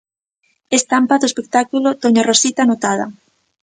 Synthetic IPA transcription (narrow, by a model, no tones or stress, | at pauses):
est̪ampaðoespek̚t̪akulot̪oɲarosit̪anot̪aðɐ̰